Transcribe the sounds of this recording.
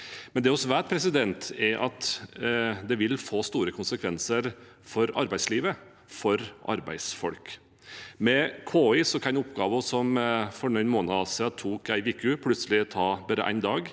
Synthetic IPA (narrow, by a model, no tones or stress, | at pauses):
mɛnd̪ɛɔsʋæːʈ̪̚pʰɾɛsɪd̪ɛnt̪ɛɾʔɑ̰t̪ | d̪ɛʋɪlfoːst̪uːɾəkʰʊnsəkʰʋɛnsəɾ | fɔɾɑ̰ɾbæɪsliːʋə | fɔɾʔɑ̰ɾbæ̰ɪsfɔlk | mɛkʰoːɪsɔkʰɑnʊpɡɑːʋʊsɔmfɔnɔnmoːnɑɑsɑt̪ʰuːkæɪʋiːkʉpʰlʉt̪səlɪt̪ʰɑːbæːɾə̰ʔæ̰ɪnd̪ɑːɡ